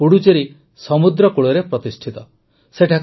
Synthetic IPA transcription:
uɽut͡ʃeɾi | sɔmud̪ɾɔkuɽɔɾepɾɔt̪isʈʰit̪ɔ | seʈʰak

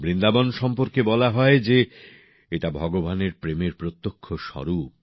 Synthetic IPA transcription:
bɾind̪abonʃɔmpoɾkebɔlaɦɔed͡ʑe | eʈabʱɔɡobaneɾpɾemeɾpɾot̪ːokʰːoʃɔ̰ɾup

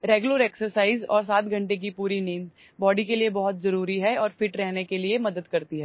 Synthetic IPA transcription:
ɾeːɡjʊləɾeːksəɾsaːɪzɔ̰ːɾsaːt̪ɡʱɐ̃ɳʈek̬ipuːɾiniːn | bɔːɖikeliebɔɦʊt̪zɐɾuːɾiɦɛɔːɾfɪʈɾɛɦnekeliemɐd̪əd̪kɐɾt̪iɦɛː

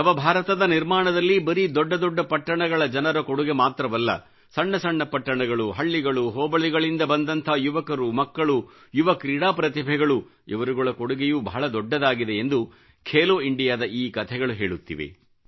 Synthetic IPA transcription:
ɐʋɐbʱaːɾɐt̪ɐd̪ɐniɾmaːɳɐd̪ɐlːibɐɾid̪ɔɖːɐd̪ɔɖːɐpɐʈːɐɳɐɡɐɭɐd͡ʒɐnɐɾɐkoɽuɡemaːt̪ɾɐʋɐlːɐ̰ | sɐɳːɐsɐɳːɐpɐʈːɐɳɐɡɐɭuɦɐɭːiɡɐɭuɦɔːbɐɭiɡɐɭind̪ɐbɐnd̪ɐnt̪ʰɐjuʋɐkɐɾumɐkːɐɭu | juʋɐkɾiːɽaːpɾɐt̪ibʱɛɡɐɭu | ḭʋɐɾuɡuɭɐkoɽuɡejubʱa̰ːɭɐd̪ɔɖːɐd̪aːɡid̪e̞ːnd̪u | kʰeːloːiɳɖijaːd̪ɐʔiːkɐt̪ʰɛɡɐɭuɦeːɭut̪ːḭʋḛ

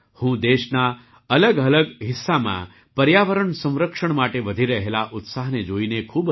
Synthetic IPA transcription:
hũd̪eʃna | ələɡələɡɦɪsːamã̰ | pəɾjaʋəɾəɳsə̃w̃ɾəkʂəɳ̃maʈeʋəd̪ʱiɾəɦelaʔʊt̪saɦned͡ʒoinekʰuːb

